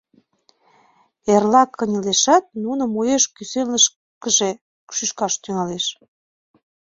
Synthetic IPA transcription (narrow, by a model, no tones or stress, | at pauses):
erlɑkʰːənʲəleʃɑt̪̚nunŏmojeʃkysenləʃ | kəʒe | kʃyʃkɑʃt̪yŋɑleʃ